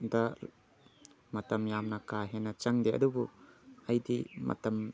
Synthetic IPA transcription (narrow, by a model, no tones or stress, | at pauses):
da | mɐt̪ɐmjamnakaɦɛnɐt͡ʃɐŋd̪eɐ̰d̪ubuɐjdimɐ̰t̪ɐm